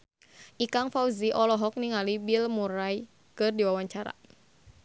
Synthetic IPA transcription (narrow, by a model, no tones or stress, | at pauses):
ʔikaŋfauziʔɔlɔɦɔk̚niŋalibilmuɾaj | kɨrdiwawaɲt͡ʃaɾa̰